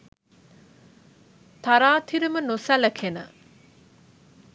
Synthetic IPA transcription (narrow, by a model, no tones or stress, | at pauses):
t̪aɾaːt̪ʰiɾimənosæləkʰenə